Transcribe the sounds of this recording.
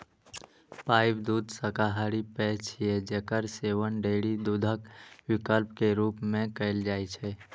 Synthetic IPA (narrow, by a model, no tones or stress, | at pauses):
paːɪbd̪uːd̪ʱsəkaɦaɾipɛt͡ʃʰijed͡ʒəkəɾseʋənɖeɽid̪uːd̪ʱəkwɪkəlpkeɾuːpmẽkəɪld͡ʒaːjt͡ʃʰɛ